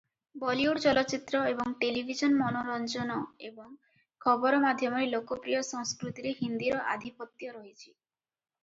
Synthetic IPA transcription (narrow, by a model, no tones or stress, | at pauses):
bɔliuɽt͡ʃɔlɔtːt͡ʃit̪ɾɔebɔŋʈelibʱid͡ʒɔnmɔnoɾɔnt͡ʃɔnɔebɔŋ | kʰɔbɔɾɔmad̪ʱjɔmɔɾelokɔpɾijɔsɔŋskɾut̪iɾeɦind̪iɾɔʔa̰d̪ʱipɔt̪jɔɾɔɦit͡ʃʰi̥